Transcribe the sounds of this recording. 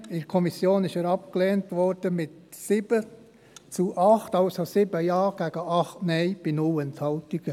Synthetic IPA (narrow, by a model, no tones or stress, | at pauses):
ɪɾkʰɔmisjoːnɪʃəɾɑp̚kleːntʋɔɾd̥əmɪt | sɪbə | t͡suʔɑχtɑlsosɪbəjɑːɡ̥æɡ̥əʔɑχtnɛɪb̥inʊlənthɑltɪɡ̥ə